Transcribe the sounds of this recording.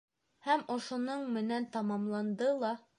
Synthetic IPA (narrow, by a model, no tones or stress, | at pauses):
hæmŏʃŏnɤɴmɘ̆nænt̪ɑmɑmlˠɑnd̪ɤlˠɒ